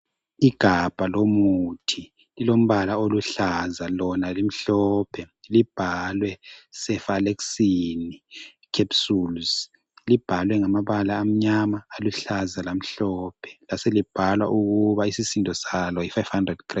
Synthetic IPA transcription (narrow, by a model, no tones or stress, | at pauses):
iɡ̥ʱab̥ʱalomutʰi | lilom̩βalaoluɬazalɔnalim̩ɬɔpʰɛ | lib̥ʱalwɛsɛfalɛksinikʰepsuls | lib̥ʱalwɛŋamaβalaːm̩ɲamaːluɬazalam̩ɬɔːpʰɛ̥laselib̥ʱalwa̰ʔuɣuβaisisindʱɔsalɔjifajv̥handrɛd̥̚kʰra